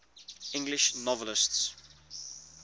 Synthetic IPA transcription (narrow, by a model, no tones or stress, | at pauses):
ɪ̃ŋɡlɪʃnɔvələsts